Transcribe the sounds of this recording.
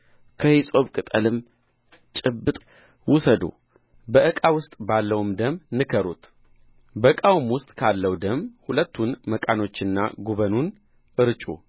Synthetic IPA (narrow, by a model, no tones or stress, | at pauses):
kʰəhisʼo̞βkʼɨt̪ʼəlɨm | t͡ʃʼɪbːɨt̪ʼ | wʊsəd̪o̰ | bəʔɨkʼawʊst̪ʼbalːəwumd̪əmnɨkʰəɾut̪ʰ | bəkʼawmwʊst̪ʼkʰalːəwd̪əmhulət̪ːunməkʼano̞t͡ʃːɨnːa̰ɡuβənun | ʔɨɾɨt͡ʃʼṵ